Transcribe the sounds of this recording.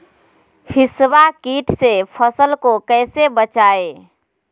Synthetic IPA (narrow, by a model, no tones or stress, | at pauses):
hisbakiʈsepʰəsəlkokəɪsebət͡ʃae